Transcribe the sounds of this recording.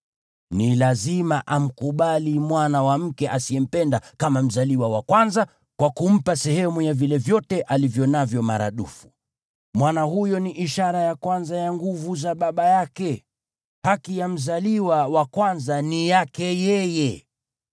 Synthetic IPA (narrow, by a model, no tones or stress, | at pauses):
nilazimaʔam̩kuɓalimwanawam̩kɛʔasiɛm̩pɛndakamam̩zaliwawakwanza | kwakum̩pasɛhɛmujavilɛvjɔtɛʔalivjɔnavjɔmaɾa̰ɗṵfu | mwanahujɔniʔiʃaɾajakwanzajaŋɡuvuzaɓaɓajakɛ | hakijam̩zaliwawakwanzanijakɛjɛjɛ